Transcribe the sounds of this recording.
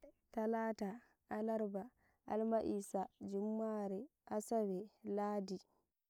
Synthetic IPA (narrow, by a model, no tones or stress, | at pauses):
talaːta | ʔalaɾba | ʔalmaʔisad͡ʒumːaɾɛʔasawɛlaːdi